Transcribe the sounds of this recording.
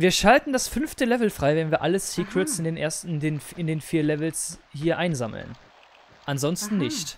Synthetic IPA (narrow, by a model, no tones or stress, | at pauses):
viːɐʃaltn̩dasfʏnftəlɛvl̩fʁ̥aɪvɛnviːɐʔaləsiːkʁ̥ɪtsɪndeːnʔeːɐstdenfɪndeːnfiːɐlɛvl̩shiːɐʔaɪnzaml̩̰n | ʔanzɔnstn̩nːɪçt